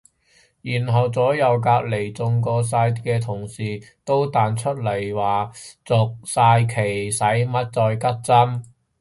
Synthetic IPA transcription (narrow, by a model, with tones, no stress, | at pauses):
jiː˨˩nɦɐ˨˩wt͡sɔː˨˥jɐ˨wkaː˧k̚le˨˩jt͡sʊ˧ŋkɔː˧saː˧jkɛː˧t̪ʰʊ˨˩ŋsiː˨t̪o˥wt̪aː˧nt͡ʃʰɵ˥t̚lɐ˨˩jwaː˨˩t͡sʊ˨k̚saː˧jkʰe˨˩jsɐ˨˥jmɐ˥t̚t͡sɔː˧jkɐ˥t̚t͡sɐ˥m